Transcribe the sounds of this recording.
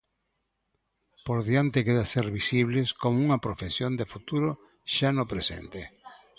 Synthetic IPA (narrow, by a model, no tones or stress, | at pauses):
poɾðjant̪ekeðaseɾβisiβ̞leskomuŋɐpɾofesjond̪efut̪uɾo | ʃanopɾesḛnt̪e